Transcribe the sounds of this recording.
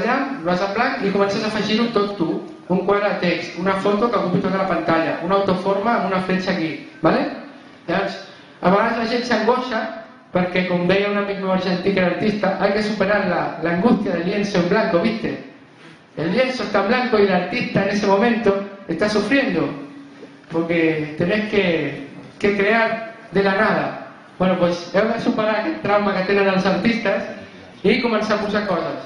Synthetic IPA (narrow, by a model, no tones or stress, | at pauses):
aʎamloasamblaŋkikomensasafaʒiɾunt̪ot̪u | uŋkwaðɾat̪eksunafot̪okakuβit̪okalapant̪aʎaʔunawt̪ofoɾmaːmunafɾet͡ʃakibale | oɾs | aβeɣaszlaʒent̪saŋɡoʃa | peɾkekombejaunamiɣmaβaɾʃent̪ikelaɾt̪ist̪aʔajkesupeɾaɾlalaːŋɡust̪jaðeljensoemblaŋkoβist̪ḛ | elːje̞nsoest̪amblaŋkoilaɾt̪ist̪aene̞semõ̞mẽ̞nt̪oe̞st̪asufɾje̞nd̪o | poɾket̪e̞nehkekekɾeaɾ | ðelanaða | bwe̞nopwe̞seesupeɾaɾet̪ɾawmakat̪enanalo̞saɾt̪ist̪as | ikomensamosakoɾða